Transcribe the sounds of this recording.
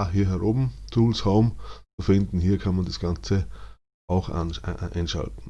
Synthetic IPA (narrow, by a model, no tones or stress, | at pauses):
ɦiːɐɦɛʁoːbm̩tʰuːlshoːmt͡sufɪndn̩ɦiːɐkʰanmandasɡ̥ant͡sə | ʔaʊxa̰nʔa̰ɪnʃa̰ltn̩